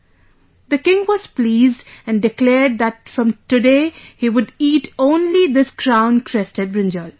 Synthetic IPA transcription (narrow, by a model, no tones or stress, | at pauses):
d̪əkɪ̃ŋʋɔz̥pliːzɖæ̃nɖɪklɛːɾɖ̚d̪æʈ̚fɾʌ̃mʈɨɖeːhiʋʊɖiːʈõːnlid̪ɪskɾãʊ̃nkʰɾɛstəɖ̚bɾɪ̃nd͡ʒəl